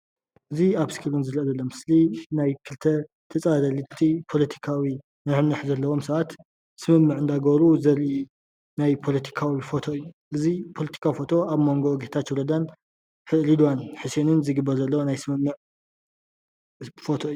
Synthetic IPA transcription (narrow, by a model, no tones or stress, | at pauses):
ʔɨziaβsi̥kʰɨlunzɨɾʔɐzɐlːomɨslinajkʰɨlt̪ʰɐ | t̪ʰɐt͡sʼad̪ɐlɨt̪ʰipʰo̞lɐt̪ʰi̥kʰawi | nɨħɨmnɐħzɐlːɐwo̞msɐβat̪ | sɨmɨmːɨʕɨnd̪aɡβɾuzɐɾ | najpʰo̞lɐt̪ʰi̥kʰawifo̞t̪ʰo̞ɨjːuʔɨzipʰo̞lɐt̪ʰi̥kʰawifo̞t̪ʰo̞aβmo̞ŋɡo̞ɡet̪ʰat̪juɾod̪an | ħɨlid̪wanħɨsenɨnzɨɡɨbːɐɾzɐlːɐwonajsɨmɨmːɨʕ | fo̞t̪ʰo̞ɨjːu